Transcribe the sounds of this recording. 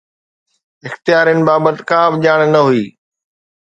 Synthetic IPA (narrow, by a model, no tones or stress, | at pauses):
ɪxt̪ijaːɾijənɪ̆baːbət̪kãːbɪʄaːɽ̃nɐɦuiː